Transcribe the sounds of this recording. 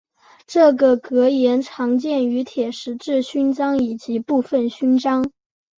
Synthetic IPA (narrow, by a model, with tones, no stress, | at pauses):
ʈ͡ʂɤ˥˩ɡə˩kɤ˧˥jɛ˧˥nʈ͡ʂʰɑ˧˥ŋt͡ɕjɛ˥˩ny˧˥t̪ʰjɛ˨˩ʂɻ̩˧˥ʈ͡ʂɻ̩˥˩ɕy˥nʈ͡ʂɑ˥ŋi˨˩t͡ɕi˧˥pu˥˧fə˥˩nɕy˥nʈ͡ʂɑ˥ŋ